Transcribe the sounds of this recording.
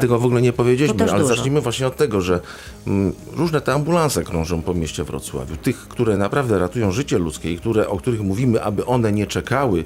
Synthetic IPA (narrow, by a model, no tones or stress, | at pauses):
t̪ɛɡɔvɔɡulɛɲɛpɔvʲjed͡ʑelimɘalɛzat͡ʂɲimɘvwaɕɲɛɔt̪ːɛɡɔʐɛ | ɾuʐnɛt̪ɛambulãnsɛkɾɔ̃ʐɔ̃w̃pɔmʲjeɕt͡ɕɛvɾɔ̰t̪swa̰vʲjut̪ɘxːt̪uɾɛnapɾavd̪ɛɾat̪ujɔ̃w̃ʐɘt͡ɕɛlut̪skʲɛikt̪uɾɛʔɔkt̪uɾɘxmuvʲimɘʔa̰bɘʔɔnɛɲɛt͡ʂɛkawɘ